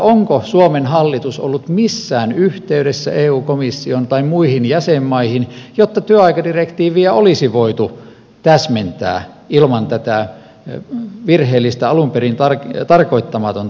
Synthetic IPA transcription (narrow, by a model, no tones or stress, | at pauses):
oŋkosuomenhɑlːit̪uso̰lːut̪misːæːnyht̪eyɾesːæ̰eːuːkomisːiont̪ɑimuihinjæsemːɑihinjot̪ːɑt̪yøɑikɑdirekt̪iːʋiæolisiʋoit̪u | t̪æsment̪æ̰ː | ilmɑnt̪æt̪æ | ʋirheːlːist̪æɑlumperint̪ɑrkt̪ɑrkoit̪ːɑmɑt̪on